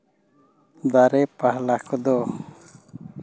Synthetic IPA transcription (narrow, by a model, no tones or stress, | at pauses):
d̪aɾɛpaɦlakʰɔd̪ɔ